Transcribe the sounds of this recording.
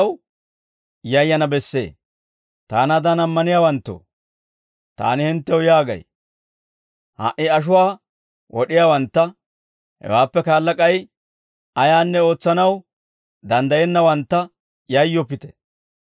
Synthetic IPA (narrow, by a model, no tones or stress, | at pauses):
w | jɐjːɐnɐbɛsːḛː | t̪aːnad̪ɐnɐmːɐnɪjaːwɐnt̪ːo̰ː | t̪a̰ːnɪhɪnt̪ːɛwjaːɡɐ̰j | ha̰ʔɪɐʃ̬ʊwaː | wʔɔɗɪjaːwɐnt̪ːɐ | hɛ̰waːpːɛkaːlːɐkʼɐj | ɐjaːnːɛo̞ːt͡sːɐnɐw | d̪ɐnd̪ɐjɛnːɐwɐnt̪ːɐ | jɐjːɔpːɪt̪ɛ̥̰